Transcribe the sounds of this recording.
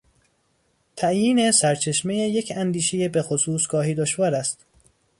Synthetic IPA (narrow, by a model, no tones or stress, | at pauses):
t̪ʰæʔjiːne̞sæɾt͡ʃʰe̞ʃmejejecʰænd̪iːʃejebexosuːsɡ̥ɒːɦiːd̪oʃvɒːɾæst̪